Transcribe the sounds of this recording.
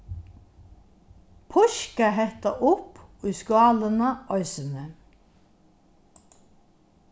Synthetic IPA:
pʰɔʃkaɦɛht̪aʔʊpʊʏskwɑːlənɑʔɔʏsənə

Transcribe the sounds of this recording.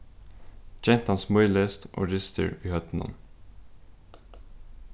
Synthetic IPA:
d͡ʒɛnt̪ɑnsmœʏlest̪ʔo̰ːɾɪst̪ə̰ɹʋiːhœt̪n̩ɑ̰n

